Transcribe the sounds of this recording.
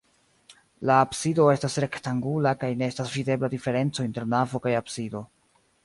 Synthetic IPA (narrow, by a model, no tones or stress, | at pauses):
laːbsido̞e̞stasɾe̞ktaŋɡulakajne̞estasvide̞bladife̞ɾe̞nt͡sointe̞ɾnavo̞kajabsido̞